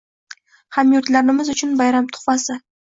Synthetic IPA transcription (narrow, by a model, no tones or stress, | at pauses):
hamjʊɾt̪laɾnɪmɪzʊt͡ʃʰʊnbajɾamt̪ʰʊ̥χasɪ